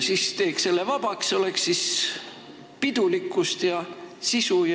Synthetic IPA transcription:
sist̪e̞ːkse̞lːevɑb̥ɑkso̞le̞kssis | pid̪̥ulikːˑust̪jɑsisuj

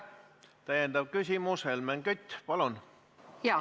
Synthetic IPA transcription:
t̪æjend̪ɑb̥̚kysʲimuselmæŋkyt̪ʲːpɑlun | jɑ

